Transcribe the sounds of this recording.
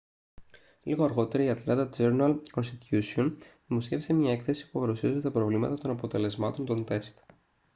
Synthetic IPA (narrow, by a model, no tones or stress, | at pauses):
liɣo̞ɐɾɣo̞t̪e̞ɾɐiɐt̪lɐt̪ɐd͡zeɾnɐlko̞nst̪it̪usio̞nðimo̞sçe̞fisemɲɐe̞kθe̞si̥pupɐɾusiozt̪ɐpɾo̞vlimɐ̰t̪ɐt̪o̞nɐpo̞t̪e̞le̞zmɐt̪o̞nt̪o̞nt̪e̞st̪